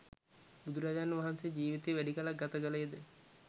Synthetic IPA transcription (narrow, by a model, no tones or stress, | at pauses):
bud̪uɾad͡ʒaːnəʋaɦansejd͡ʒiːʋit̪eʋæɖikəlaɡat̪əɡələed̪ə